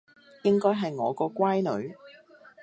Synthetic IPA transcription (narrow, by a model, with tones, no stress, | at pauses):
jɪ˥ŋkɔː˥jɦɐ˨jŋɔː˨˧kɔː˧kʷaː˥jnɵ̰˨˧ɥ